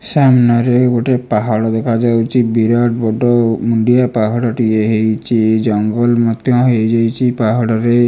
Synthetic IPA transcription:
samnaɾeɡoʈepaɦɔɽɔd̪ɛkʰad͡ʒawt͡ʃʰibiɾaʈbɔɖɔmuɳɖijapaɦɔɽɔʈieɦejt͡ʃʰid͡ʒɔŋɡɔlmɔt̪jɔɦejd͡ʒajt͡ʃʰipaɦɔɽɔɾe

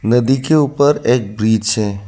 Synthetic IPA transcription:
nəd̪ikeuːpəɾeːk̚bɾiːd͡ʒt͡ʃʰɛ

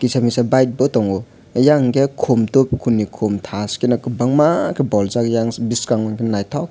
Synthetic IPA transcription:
kisamisabajt̚bɔtɔŋɔ | jaŋɡekʰomtokʰːunikʰomtʰaskinakɯbaŋmakʰebɔlzakjaŋbiskaŋɔnkʰinnajtʰɔk̚

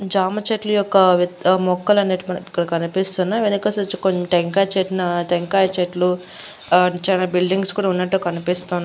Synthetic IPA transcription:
d͡ʒaːmɐt͡ʃeʈlujɔkːɐʋmɔkːɐlɐneːʈimɐnɐmikːɐɽɐkɐnipist̪unːaːʋenikɐsɐt͡ʃkoʈeŋkaːjɐt͡ʃeʈnɐʈeŋkaːjɐt͡ʃeʈlu | t͡ʃaːnaːbilɖiŋɡskuːɽaːunːɐʈːukɐnipist̪oːnː

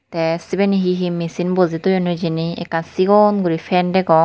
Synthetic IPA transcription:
t̪ɛsibɛniɦiɦimisinbɔzit̪ujɔnud͡ʒiniɛ̰kːansiɡɔnɡuɾifʰɛndɛkɔ

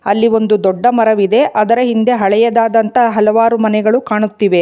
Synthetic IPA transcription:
ɐlːio̞nd̪ud̪ɔɖːɐmɐɾɐʋid̪e̞ʔɐd̪ɐɾɐɦind̪e̞ɦɐɭɛjɐd̪aːd̪ɐnt̪ɐɦɐlɐʋaːɾumɐnɛɡɐɭukaːɳut̪ːiʋe̞

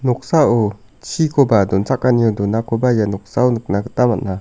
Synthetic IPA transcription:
nuk̚saʔu | t͡ʃʰikobad̪unt͡sakːaniud̪unakobajanuk̚saunuk̚nakɯ̥t̪amana

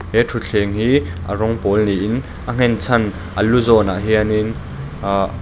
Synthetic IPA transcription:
hɛtʰut͡ɬʰɛːŋɦiːʔərɔŋpɔlniʔɪn | ʔəŋ̥ɛnt͡sʰɐn | ʔəluzɔna̰ʔɦianin

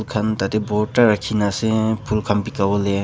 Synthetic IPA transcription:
lkʰant̪at̪eboʈaɾakʰinasepʰulkʰampikawole

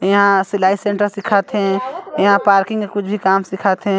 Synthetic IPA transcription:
jɐɦãsɪlaːisẽɳʈəɾsɪkʰat̪eɦɛ̃jɐɦãpaːɾkɪ̃ŋɡkekʊt͡ʃʰbʱikaːmsɪkʰaːt̪eɦɛ̃

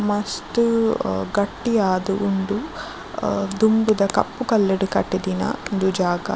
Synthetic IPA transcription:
mɐst̪uɡɐʈːijaːd̪uʔunɖu | d̪umbud̪ɐkɐ̰pːukɐlːɐɽukɐʈːid̪inɐ̰und̪ud͡ʒaːɡɐ̰

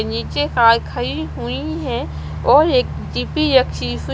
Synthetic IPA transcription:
niːt͡ʃekaːɾkʰɐiɦuiɦɛ̃ | ɔːɾeːk | d͡ʒiːpiɾɐkʃisu

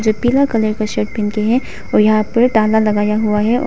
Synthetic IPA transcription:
d͡ʒoːpiːlakɐleɾkaʃeːʈ̚bʱɪnkeɦɛ̃ | ɔːjɐɦãpɐɾʈaːlalɐɡaːjaɦuaɦɛʔɔ̰

